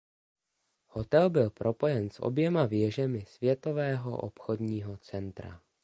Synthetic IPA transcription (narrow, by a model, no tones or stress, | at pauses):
hot̪ɛlbɪlpɾʔo̞po̞jɛnsʔo̰bjɛmavjɛʒɛmɪsvjɛt̪o̞vɛːɦo̰ʔo̰pxodɲiːɦot͡sɛnt̪ɾa̰